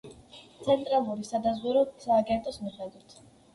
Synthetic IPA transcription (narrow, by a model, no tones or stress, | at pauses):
t̪sʰɛnt̪ʼɾalˠuɾisad̪azʁuɾɔsaːɡɛnt̪ʼɔsmiχɛd̪wit̪ʰ